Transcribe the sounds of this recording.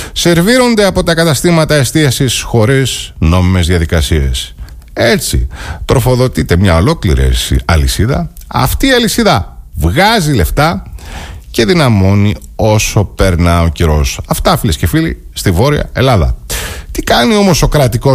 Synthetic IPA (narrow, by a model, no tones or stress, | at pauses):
se̞ɾviɾo̞nd̪e̞ɐpo̞t̪ɐkɐt̪ɐst̪imɐt̪ɐest̪iɐsisxo̞ɾizno̞mime̞zðiɐðikɐsie̞̰s | e̞t͡sḭt̪ɾʔo̞fo̞ðo̞t̪it̪e̞mɲɐo̞lo̞klḭɾḭsɐlisiðɐ̰ɐ̰ft̪iːɐlisiðɐvɣɐzile̞ft̪ɐ | ce̞ðinɐmo̞ni | o̞so̞pe̞ɾnɐo̞ciɾo̞sɐft̪ɐfilescefili | st̪ivo̞ɾiɐ̰e̞lɐðɐ̰t̪ikɐnio̞mo̞so̞kɾɐt̪iko